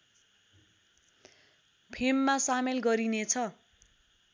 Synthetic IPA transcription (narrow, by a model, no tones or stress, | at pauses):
pʰemːasamelɡʌɾinet͡sʰʌ